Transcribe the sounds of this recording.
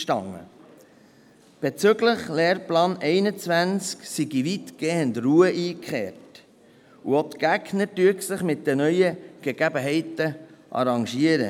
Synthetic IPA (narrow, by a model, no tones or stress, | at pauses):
ʃtɑŋːə̰ | b̥et͡sʏɡləχleːɾplɑːnɛɪnət͡svænt͡sksiɡiʋit̪ɡ̥eːənd̪ruəʔiːkχeːrt | uot̪ɡ̥æɡnəɾdyəksɪχmɪt̚d̥ɛnœʏəɡ̥əɡ̥æbəɦɛɪtəʔɑ̰ɾɑŋʃiəɾə̰